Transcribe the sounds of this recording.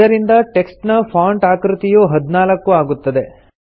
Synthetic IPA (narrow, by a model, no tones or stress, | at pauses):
ɐɾind̪ɐʈe̞ksʈnɐpʰaːɳʈaːkɾut̪ijuɦɐd̪naːlɐkːuaːɡut̪ːɐd̪e̞